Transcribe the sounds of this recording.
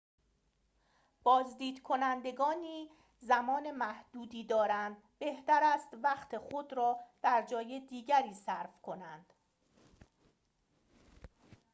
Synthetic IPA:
b̥ɒːzd̪iːd̪kʰo̞nænd̪e̞ɡɒːniː | zæmɒːne̞mæhd̪̥uːd̪iːd̪ɒːɾænd̪ | be̞ht̪æɾæːst̪væxt̪ʰe̞xod̪ɾɒːd̪̥æɾd͡ʒɒːjed̪iːɟæɾiːsæɾfkʰo̞nænd̪̥

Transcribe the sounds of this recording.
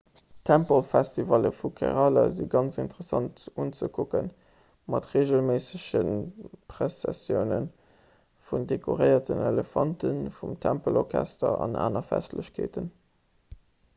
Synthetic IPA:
tʰæmpəlfæstivɑləfukʰɛʁɑlɐ̰ziɡɑnt͡sintəʁəsɑntunt͡səkʰukən | mɑtʁeːʒəlmeːsəɕənpʁesɛsjəʊnən | fundekʰoʁəɪɐtəneləfɑntənfumtʰæmpəlɔʁkʰæstɐɑna̰ːnɐfæstləɕkʰeːtən

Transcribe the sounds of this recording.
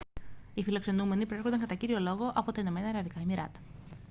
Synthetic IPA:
ifilo̞kse̞nume̞nipɾo̞eɾxond̪ɐŋkɐt̪ɐciɾio̞lo̞ɣo̞ʔɐpo̞t̪ɐino̞me̞nɐːɾɐvikɐimiɾɐ̰t̪ɐ̥

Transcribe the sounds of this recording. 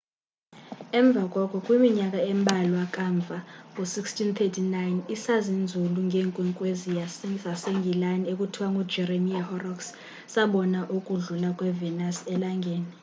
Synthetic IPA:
ɛɱb̪vʱakʼwɔkʼʰɔkʼwimiɲak̬ʼaɛmbʱalɔakʼaɱb̪vʱaŋusikstʰint̪ʰetʰinajnisazind͡zʱuluŋɡʱeːŋkʼwiŋkʼwezijaszaseŋɡʱilaniek̬ʼutʰiwaŋɡʱud͡ʒɛremiahɔrɔks | saɓɔnaʔukʼuɮulakʼwɛvɛnasɛlaŋɡʱeːni

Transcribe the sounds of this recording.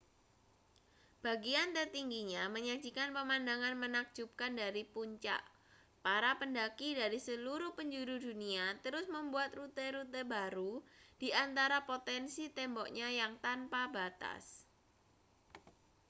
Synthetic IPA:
b̥aɡiant̪ərt̪iŋɡiɲaməɲḁd͡ʒikanpəmandaŋanmənak̚d͡ʒ̥up̚kandaɾipuɲt͡ʃa̰ʔ | paɾapəndakidaɾisəluɾʊhpəɲd͡ʒuɾuduniat̪əɾʊsməmbuat̪rut̪eɾut̪ebaɾud̥iʔant̪aɾapot̪ɛnsit̪ɛmbɔk̚ɲajaŋt̪anpabat̪a̰s

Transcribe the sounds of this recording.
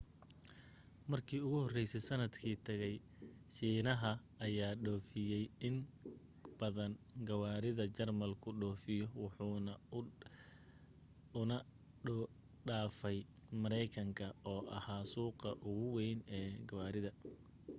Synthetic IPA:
mɐrkʰiːʊɣʊhɔrɛjsɛsɐnɐd̪kʰiːt̪ʰɐɣɛj | ʃiːnɐɦɐ | ɐjaːɖɔːfɪjɛjɪn | b̥ɐðɐnɡɐwaːɾɪðɐt͡ʃɐrmɐlkʰʊɖɔːfɪjɔwʊħuːnɐ | ʊnɐ | ɖaːfɛj | mɐɾɛjkʰɐŋkʰɐɔːʔɐhaːsuːqɑʔʊɣʊwɛjnɛːɡɐwaːɾɪðɐ

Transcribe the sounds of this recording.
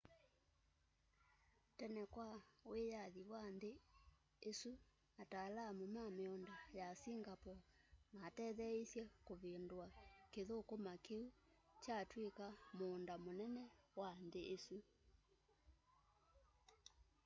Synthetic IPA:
tɛnɛkwawejaðiwanðeː | su | atalamomameɔndajasiŋɡapɔmatɛːðɛisjɛkoβendwakeðokomakeut͡ʃatwekamoːndamonɛnɛwanðeʔesu

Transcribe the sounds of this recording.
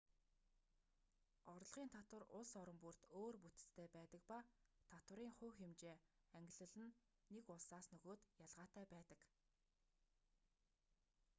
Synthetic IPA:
ɔɾ̆ɮʁiːnt̪ʰat̪wə̆rʊɮsɔɾɞ̆mpur̥t̪oːrput̪ɘ̥̆t͡st̪ʰːeːpæːt̪ə̆k̚pat̪ʰat̪wə̆ɾiːŋχʊːxemt͡ɕeːæŋɡʲɪ̆ɮɘ̆ɮɘ̆nː | ekʊɮsaːsnɵɣoːt̪jaɮʁaːt̪æːpæːt̪ə̆k

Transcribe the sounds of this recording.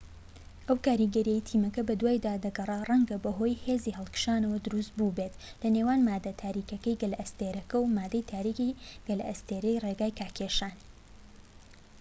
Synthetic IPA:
ʔɐwkaːɾiɡɐɾijejt̪ʰiːmɐkɐbɐd̪waːjd̪aːd̪ɐɡɐrˤɑrˤɐŋɡɐbɐɦo̞ːjheziːɦɨlˠkɨ̥ʃaːnɐwɐd̪ʊɾust̪̚bubet̪lɐnewaːnmaːd̪ɐt̪ʰaːɾiːkɐkɐjɡɐlʔɐst̪eɾɐkɐwmaːd̪ɐjt̪ʰaːɾikiɡ̥ɐlɐ̰st̪eːɾɐjreɡaːjkʰaːkʰeʃaːn

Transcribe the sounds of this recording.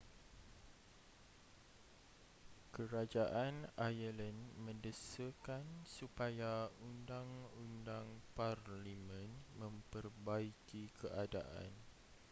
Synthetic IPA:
kəɾad͡ʒaʔanajələnmə̃ndəsəkansupajaundaŋundaŋparlimə̃nmə̃mpərbaikikəʔadaʔa̰n

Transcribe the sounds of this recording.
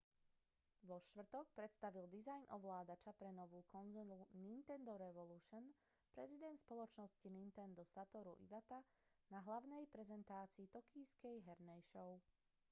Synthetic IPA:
ʋɔʃt̪ʋr̩t̪ɔk̚pɾɛt̪st̪aʋild̪izajnʔɔʋlaːd̪at͡ʃapɾɛnɔʋuːkɔnzɔlunint̪ɛnd̪ɔɾɛʋɔluʃɔn | pɾɛzid̪ɛnt̪spɔlɔt͡ʃnɔscinint̪ɛnd̪ɔsat̪ɔɾṵʔḭʋat̪a | naɦlaʊnɛjpɾɛzɛnt̪aːt͡siːt̪ɔkiːskɛjɦɛɾnɛjʃɔʊ

